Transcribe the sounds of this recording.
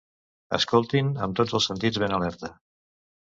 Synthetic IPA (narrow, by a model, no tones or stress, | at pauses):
ə̰skolˠt̪inəmt̪od͡zəlˠsənt̪id͡zβenəlɛɾt̪ə